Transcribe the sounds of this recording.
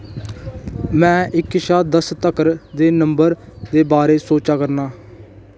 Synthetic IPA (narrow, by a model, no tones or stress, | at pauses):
mɛ̃ːʔɪkːɪʃaːd̪əst̪əkəɾd̪eːnəmbəɾd̪eːbaːɾeːsoːt͡ʃaːkəɾnaː